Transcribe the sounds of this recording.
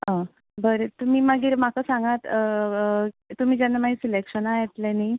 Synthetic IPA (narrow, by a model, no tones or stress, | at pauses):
ɦã | bəɾet̪um̤iːməɡiːɾm̤akasãŋɡat̪ | t̪um̤iːd͡ʑanːamaɦisilekɕənaɦet̪lenaj